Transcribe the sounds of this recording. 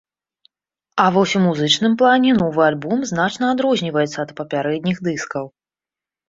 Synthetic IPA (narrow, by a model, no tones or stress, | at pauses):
ɐvɔsʲumuzɨt͡ʂnɨmplˠanʲɛnɔvɨalʲbɔmznat͡ʂnɐad̪ɾɔzʲnʲivɐjɛt̪sːɐːt̪pɐpʲaɾɛd̪ʲnʲixd̪ɨskɐw